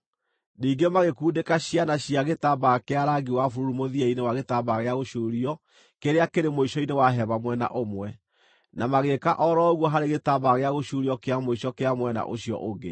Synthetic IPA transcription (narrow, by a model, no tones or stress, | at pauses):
niːŋɡemaɣekuːdekaɕianaɕiaɣetabakeaɾaɡiwafuɾuɾumoðiɛinewaɣetabaɣeaɣoʃuɾiɔ | keɾeakeɾemoiʃɔinewaɦɛβamwɛna̰ʔomwɛ | namaɣekaʔɔɾɔɣwɔɦaɾeɣetabaɣeaɣoʃuɾiɔkeamoiʃɔkeamwɛna̰ʔoɕiɔ̰ʔoɡḛ